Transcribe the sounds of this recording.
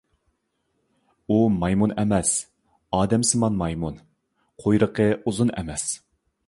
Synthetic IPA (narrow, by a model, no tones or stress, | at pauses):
umɑjmunɛmɛs | ɑːd̪ɛmsɨmɑnmɑjmun | qʰojɾəqʰəuzunɛ̰mɛs